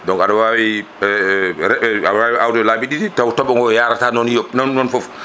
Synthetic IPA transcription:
dɔŋkaɗɔwawi | ɛɾɛawaʔawdɔlaːbiɗiditawtɔɓɔŋɡɔjaɾatanɔnjɔnɔnːɔnfɔf

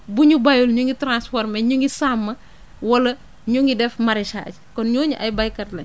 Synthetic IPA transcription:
buɲubɐjulɲuŋɡitɾãnspɔɾmɛɲuŋɡisamːɐ | wɐlɐ | ɲuŋɡidɛfmɐɾɛʃa̰ːckɔnɲɔːɲuʔɐjbɐjkɐtlɐɲ

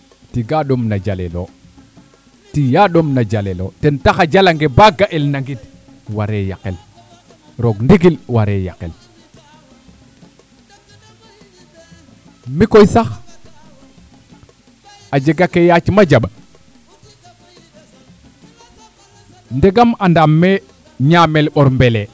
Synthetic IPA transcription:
tiɡaɗomnad͡ʒalelo̰ | tijaɗomnad͡ʒalelo̰tentaxad͡ʒalaŋɡebaɡaʔelnaŋɡit | waɾeja̰kel | ɾoɡndiɡilwaɾeja̰kḛl | mikojsax | ad͡ʒeɡakejat͡ʃmad͡ʒaɓa | ndeɡamandamːe | ɲamelɓoɾmbele

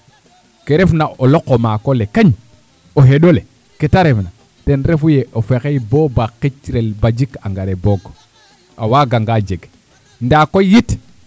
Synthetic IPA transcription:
keɾefnaolokːomakolekaɲ | oɦeɗole | ketaɾefna | tenɾefujeʔofekejbobaqːit͡ʃɾelbad͡ʒikaŋɡaɾeboɡ | awaɡaŋɡad͡ʒeɡ | ndakojit

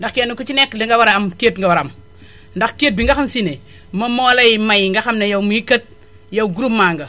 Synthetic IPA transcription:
ndaxkianukut͡ʃineklɐŋɡawaɾaamketŋɡawaɾam | ndaxket̚biŋɡaxamsine | mɐmoːlɐjmajŋɡaxamnɐjawmuikɐt̚ | jawɡuɾumːaŋɡɐ

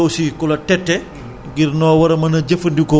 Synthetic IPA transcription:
owsikulɐtɛtːɛ | ɡirnɔːwɐɾɐmɐnɐɟɐfɐndikɔ

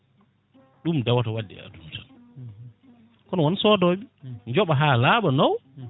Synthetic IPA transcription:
ɗumdɛwatawadːḭa̰duntan | kɔnɔwɔnsɔːdɔɓiɲd͡ʒɔɓaɦaːlaːɓanɔw

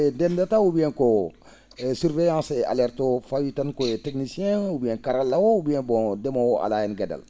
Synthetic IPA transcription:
ɛdɛndataubijɛ̃ko | syɾvɛjãsɛʔa̰lɛɾtofajitankoetɛknisijɛ̃ubijɛ̃kaɾalːawoubijɛ̃bɔ̃demawoʔa̰lajɛnɡada̰l

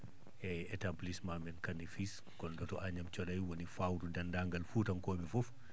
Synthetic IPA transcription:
ʔɛɛtablismamɛnkanifis | kɔndɔtɔʔaɲamt͡ʃɔɗajwonifawɾudandaŋɡalfutankoːɓɛfɔf

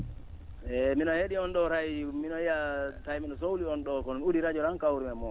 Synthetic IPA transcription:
ɛminɔheɗiɔnɗɔɾajminɔijatajminɔs̬owliɔnɗɔkɔnmiudiɾad͡ʒɔɾaŋkawɾimɛmɔ

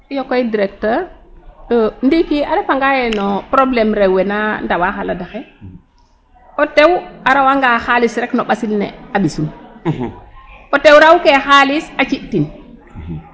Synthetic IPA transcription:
jokojidiɾɛk̚təɾɗondikiadefaŋɡajɛnɔpɾoblɛmɾɛwɛnandawaxaladaxɛ | ɔtewaɾawaŋɡaxalisɾɛknɔɓasilnɛ̰aɓisun | ʔɔtewɾawkexalisat͡ʃiʔtin

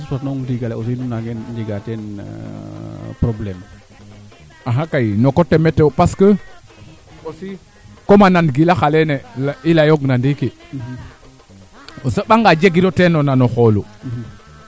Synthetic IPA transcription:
sutatnoŋdiɡaleos̬inunaɡend͡ʒiɡatɛn̰ | pɾoblɛm | aɦakajnokotːemɛtːepaskə | osi | komananɡilaxalenelilajoɡnandike | osəɓaŋɡad͡ʒeɡiɾotenonanɔxolu

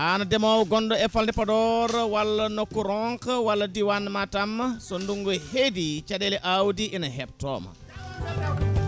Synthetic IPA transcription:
ʔanɐdɛmawɡɔndɔɛfaldipɐdɔɾwɐlːɐnɔkːuɾɔŋkwalːɐdiwanmatɐmsɔnduŋɡɔhedit͡ʃadɛlɛʔawdiʔinɐɦɛp̚tɔ̰mɐ̰

